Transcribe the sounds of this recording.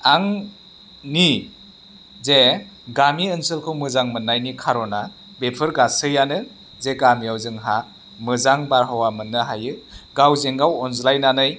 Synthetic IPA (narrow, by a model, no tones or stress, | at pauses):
aŋ | ni | ze | ɡamiɯnsɯlkʰɯwmɯzaŋmɯnːajnikʰaɾɔna | bepʰɯɾɡasɯjanɯ | zeɡamijawzɯŋɦa | mɯzaŋbaɾɦawamɯnːɯɦajɯɡawzeŋɡawɔnzlajnanɯj